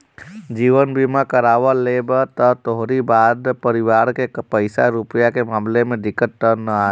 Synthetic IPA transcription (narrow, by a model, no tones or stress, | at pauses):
d͡ʒiːʋənbimakəɾaːʋalebt̪ət̪oɦɾibaːd̪pəɾɪʋaːɾkepəɪsaɾʊpjakemaːmlemẽɖ̪ɪkːət̪ːənəaː